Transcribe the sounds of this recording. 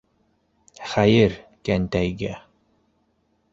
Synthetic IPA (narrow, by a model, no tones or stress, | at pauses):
χæjɘɾkænt̪æjɡæ